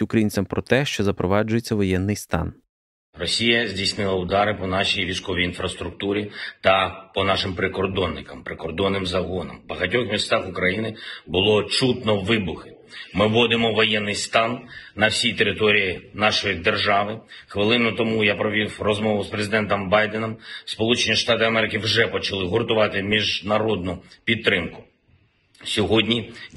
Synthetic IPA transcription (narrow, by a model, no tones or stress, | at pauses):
ʊkɾɐjinʲt͡sʲɐmpɾɔt̪ɛʃt͡ʃɔzɐpɾɔʋɑd͡ʒʊjet͡sʲːɐʋɔjɛnːɪjst̪ɑ̰n | rɔsʲijɐzʲdʲijsʲnɪlˠɐʊd̪ɑɾɪpɔnɑʃijʋʲijsʲkɔʋʲiinfɾɐst̪ɾʊk̚t̪uɾʲit̪ɐpɔnɑʃɪmpɾɪkɔrd̪ɔnːɪkɐmpɾɪkɔrd̪ɔnːɪmzɐɦɔnɐ̰mbɐɦɐtʲɔxmʲist̪ɑxʊkɾɐjinɪbʊlˠɔt͡ʃut̪nɔʋɪbʊxɪ | mɪʋɔd̪ɪmɔʋɔjɛnːɪjst̪ɑnnɐwsʲijt̪eɾɪt̪ɔɾʲijinɑʃɔjid̪e̞rʒɑʋɪxʋɪlˠɪnʊt̪ɔmujapɾɔʋʲiwrɔzmɔʋʊspɾezɪd̪ɛnt̪ɔmbɑjd̪enɔmspɔlˠut͡ʃenʲiʃt̪ɑt̪ɪɐmɛɾɪkɪwʒɛpɔt͡ʃɐlˠɪɦʊrt̪ʊʋɑt̪ɪmʲiʒnɐɾɔd̪nʊpʲit̪̚t̪ːɾɪmkʊ̥ | sʲɔɦɔdʲnʲi